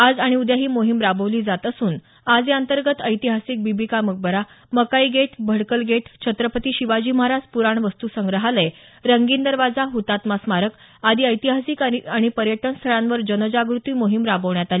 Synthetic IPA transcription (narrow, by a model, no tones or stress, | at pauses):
ad͡zaɽ̃iud̪jaɦiːmoɦimɾabəʋliːd͡zat̪əsuːn | ad͡zeənt̪əɾɡət̪əjt̪iɦasik̚bibikamək̚bəɾa | məkaiɡeʈʰbʱəɽkəlɡeʈʰt͡ɕʰət̪ɾəpət̪iːɕiʋad͡ʑiːməɦaɾad͡zpuɾaɳʋəst̪uːsəŋɡɾəɦaləj | ɾəŋɡiːnd̪əɾʋad͡zaɦut̪at̪masmaɾək | ad̪ʱiːəjt̪iɦasikaiaɽ̃ipəɾjəʈənst̪ʰəɭãnʋəɾd͡ʑənəd͡ʑaɡɾut̪iːmoɦimɾabəʋɳjat̪ali